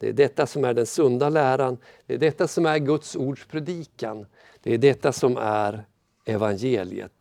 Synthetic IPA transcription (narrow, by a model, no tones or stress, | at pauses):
d̪̥ɛ̰æ̰ɖɛt̪ːasɔmæɖɛnsɵnd̪alæːɾan | d̪̥ɛæɖɛt̪ːasɔmæɾɡɵt̪suːɖʂpʰɾɛd̪iːkan | d̪̥ɛæɖɛt̪ːasɔmæɾ | ɛvanjeːlɪ̰ə̰t̪